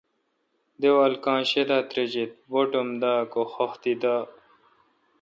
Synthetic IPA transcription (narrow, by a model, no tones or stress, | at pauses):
d̪ewalkãːɕed̪aːt̪ɾed͡ʑit̪̚boʈomd̪aːkoxoxt̪id̪a